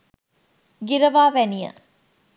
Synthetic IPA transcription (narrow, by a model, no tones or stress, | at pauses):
ɡiɾəʋaːʋɛnijə̰